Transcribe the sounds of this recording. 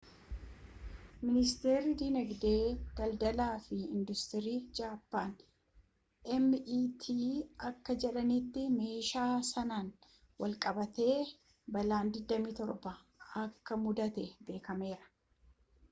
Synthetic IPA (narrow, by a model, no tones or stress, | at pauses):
mɪnɪst̪eːɾɪd̪inɛɡd̪e̞ːɡ̥ɐld̪ɐlaːfɪɪnd̪ʊst̪ɪɾiːd͡ʒaːpːaːn | ʔɛmːʔiːt̪ʰiːɐkːɐd͡ʒɛᶑɐnɪt̪ːɪme̞ːʃaːsɐnaːn | wɐlkʼɐbɐt̪e̞ː | bɐlaːnd̪ɪd̪ːɐmiːt̪ɔɾbɐ | ɐkːɐmʊd̪ɐt̪ɛbe̞ːkɐme̞ːɾɐ̥